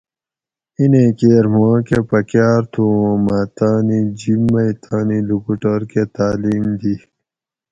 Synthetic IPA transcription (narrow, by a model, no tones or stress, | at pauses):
inekeːɾmãːkepɐkjaːɾt̪ʰuːõmat̪aːnid͡ʑimːɐit̪ʰaːnilukuʈəɾket̪aːliːmd̪i